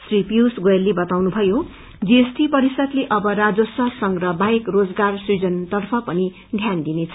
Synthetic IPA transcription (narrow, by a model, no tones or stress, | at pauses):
sripiusɡoelːebʌt̪awnubʱʌjo | d͡ziesʈipʌɾisʌt̪leʔʌbʌɾad͡zosʌsʌŋrʌbaekrod͡zɡarsid͡zʌnt̪ʌrpʰʌpʌni | ɖʱjand̪inet͡sʰʌ